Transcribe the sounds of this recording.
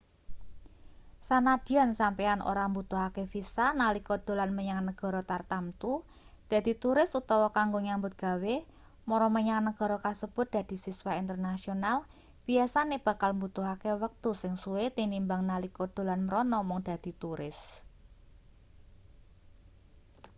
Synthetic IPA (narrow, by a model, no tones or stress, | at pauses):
sanad̪̥i̤ansampeanʔo̰ɾambut̪uɦakefisanalikod̪̥o̤lanməɲaŋnəɡ̥ɔ̤ɾɔt̪art̪amt̪u | d̪̥ä̤d̪̥i̤t̪uɾɪsut̪ɔwɔkaŋɡoɲambʊt̪̚ɡ̥a̤we | mɔɾɔməɲaŋnəɡ̥ɔ̤ɾɔkasəb̥ʊt̪̚d̪̥ä̤d̪̥i̤siswaint̪ərnasional | b̥iasaneb̥a̤kalmbut̪uɦakewək̚t̪usɪŋsuwet̪inimbaŋnalikod̪̥o̤lanməɾɔnɔmɔŋd̪̥ä̤d̪̥i̤t̪uɾɪ̰s